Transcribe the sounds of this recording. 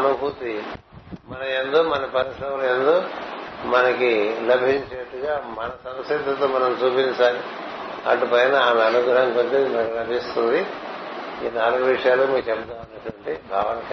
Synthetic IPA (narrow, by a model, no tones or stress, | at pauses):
ɐnubʱut̪i | mɐnɐmend̪oːmɐnɐpɐɾisɾɐmɐlend̪oːmɐnɐkilɐbʱiɲt͡ʃɐnɐʈːuɡaːmɐnɐsɐmɐsɐt̪ːɐt̪oːmɐnɐmt͡ʃuːpinsaːli | ɐ̰ʈːupɐjnɐaːlɐnuɡʱɾɐɐŋkotimɐnɐkɐlɐbʱist̪und̪i | iːnaːluɡuʋiʂɐjaːlɐmiːkut͡ʃɛpɐd̪aːmɐnːɐʈːʋɐɳʈibʱaːʋɐnɐk